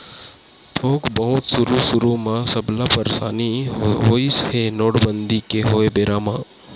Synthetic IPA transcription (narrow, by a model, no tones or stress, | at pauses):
t̪ʰoːkbəɦʊt̪sʊɾusʊɾumãːsɐblapəɾsa̰ːnioːishenoːɽbənd̪ikeɦoːebeːɾaːmãː